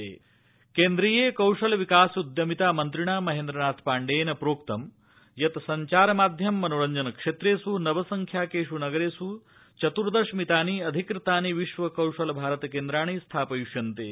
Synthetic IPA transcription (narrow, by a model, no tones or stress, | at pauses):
eː | keːnd̪ɾijeːkɐwʂɐlɐʋikaːsud̪jɐmit̪aːmɐnt̪ɾiɳaːmɐɦeːnd̪ɾɐnaːt̪ʰpaːɳɖeːnɐpɾoːkt̪ɐm | jɐt̪ɐsɐɲt͡ʃaːɾɐmaːd̪ʱjɐmːɐnoɾɐɲd͡ʒɐnɐkʂet̪ɾeːsunɐʋɐsɐŋkʰjaːkeːʂunɐɡɐɾeːsu | t͡ʃɐt̪uɾd̪ɐʂmit̪aːniɐd̪ʱikɾɨt̪aːniʋiʃʋɐkɐwʂɐlɐbʱaːɾɐt̪ɐkeːnd̪ɾaːɳ̃iːst̪ʰaːpɐjuʃjɐnt̪ḛː